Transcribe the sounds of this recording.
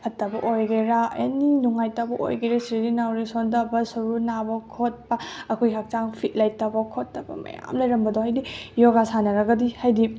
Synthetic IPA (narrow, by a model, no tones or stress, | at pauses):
pʰɐtːɐbɐʔojɡeɾaa̰ninuŋajtabɐʔo̰jɡeɾasɾidinawɾisondɐbɐsɐɾunabɐkʰot̚pɐɐkʰojɦak̚t͡ʃaŋpʰit̚lajtːabɐkʰotːɐbɐ̰mɐ̰ja̰mlɐjɾɐmbɐdohajdijoɡasanɐɾɐɡɐdihajdi